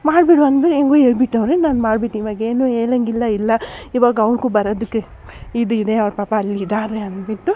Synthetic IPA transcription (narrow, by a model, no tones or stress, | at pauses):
maːɖbiɽuɐnd̪biʈːeŋɡueːɭbiʈːɐʋɾenaːnmaːɖbiʈːiːʋaɡeːnueːlɐŋɡilːɐilːɐiʋaːɡɐɐʋɾkuːbɐɾoːd̪ukːe | id̪uid̪eɐʋɾpaːpɐːlːiid̪aːɾeɐnd̪biʈːu